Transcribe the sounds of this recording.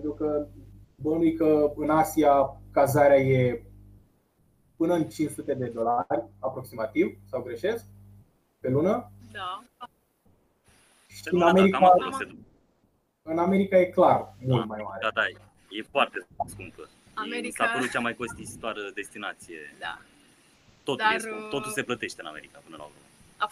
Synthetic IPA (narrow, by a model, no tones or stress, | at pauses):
pent̪ɾukə | bonijkəɨnasiakazaɾeaje̞ | pɨnəɨnt͡ʃint͡ʃsut̪e̞d̪e̞d̪o̞larʲapɾo̞ksimat̪ivsawɡɾe̞ʃe̞sk̚ | pe̞lunə | ʃiiɨnameɾikaaoloksed̪ | ɨname̞ɾikaje̞klarmult̪majma̰ɾead̪a | jefoart̪eskumpə | isapəɾut̪̚t͡ʃamajko̞st̪isit̪oaɾəd̪e̞st̪inat̪sije̞ | t̪o̞t̪uljet̪o̞t̪ulse̞plət̪e̞ʃt̪eɨna̰me̞ɾikapɨnəla̰lṵme